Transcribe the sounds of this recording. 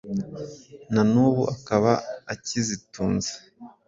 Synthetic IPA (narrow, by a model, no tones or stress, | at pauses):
nanuβuʔakaβaːcizituːnze̥